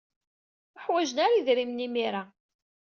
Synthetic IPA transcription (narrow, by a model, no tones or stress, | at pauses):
əħwæʒənaɾiðɾimnimiɾa